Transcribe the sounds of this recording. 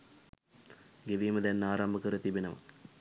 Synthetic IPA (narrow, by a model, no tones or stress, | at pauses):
ɡeʋiːməd̪ɛnːaːɾambəkəɾət̪ibenəʋa̰